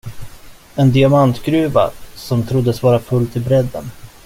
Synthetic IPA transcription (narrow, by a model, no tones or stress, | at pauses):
ɛnd̪ɪamant̪ɡɾʉ̟ːva̰sɔmt̪ʰɾʊd̪ːəsvɑːɾafɵlːt̪ʰɪlbɾɛd̪ːə̰n